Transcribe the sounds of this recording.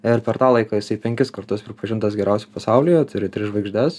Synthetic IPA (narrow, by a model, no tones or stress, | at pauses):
ɪɾpʲɛɾt̪ɑːlˠɐɪkɑːjɪsɐɪpʲɛŋʲkʲɪskɐɾt̪ʊspʲɾʲɪpɐʒʲɪnt̪ɐsɡʲɛɾʲæʊsʲɛpɐsɑʊlʲɪjɛt̪ʊɾʲɪt̪ʲɾʲɪʒʋɐɪɡʒʲd̪ʲɛs